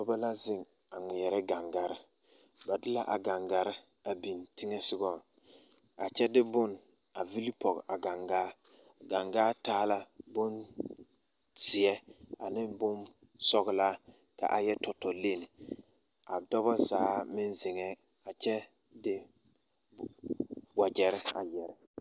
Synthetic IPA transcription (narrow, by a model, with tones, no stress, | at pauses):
dɔ˦ba˦la˦zɪ˦ŋ | a˨ŋi˨ɛ˨ɾɛ˦ɡa˨ŋɡa˨ɾɪ˦ | ba˨dɪ˦la˦ʔa˨ɡa˨ŋɡa˨ɾɪ˦ | a˨bi˨ntɪ˦ŋɛ˦sɪ˦ɡɔ˨n | a˨t͡ʃɛ˦dɪ˦bʊ˦˨n | a˨vi˦li˦pɔ˨ɡ̰ʔa˨ɡa˨ŋɡaː˦ | ɡa˨ŋɡaː˦taː˦la˦bʊ˦n | z̥ɪ˨ɛ˦a˨nɪ˦bʊ˦n | sɔ˦ɣɪ˦la˦ | ka̰˨ʔa˨jɛ˦tɔ˨tɔ˨le˦˨nɪ˨ | a˨dɔ˦bɔ˦zaː˨˦mɪ˦nzɪ˨ŋɛ˦ | a˨t͡ʃɛ˦ | dɪ˦ | wa˨d͡ʒɛ˨ɾɪ˦a̰˨jɛ˨ɾɪ˦